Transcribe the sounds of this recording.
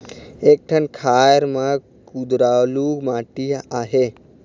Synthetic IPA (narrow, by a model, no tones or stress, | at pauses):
eːk̚ʈʰənkʰajɾmã | kud̪ɾaluɡmaːʈiaːɦe